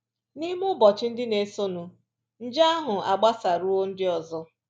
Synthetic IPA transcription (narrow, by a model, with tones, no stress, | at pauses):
ni˦m˦ʊ˦bɔ˨t͡ʃɪ˦n̩˦dɪ˦ne˨so˦nu˨ | n̩˦d͡ʒa˦a˦ɦʊ˨a˨ɡ͡ba˦sa˨ɾu˦o˦n̩˦dɪ˦ɔ˨zɔ˦